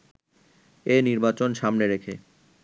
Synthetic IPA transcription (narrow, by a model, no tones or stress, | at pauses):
eniɾbat͡ɕonʃamneɾekʰe